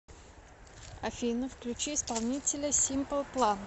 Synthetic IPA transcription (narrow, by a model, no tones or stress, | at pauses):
ɐfʲinəfklʲʉt͡ɕiɪspalˠnʲitʲɪlʲəsʲimpəlˠplˠan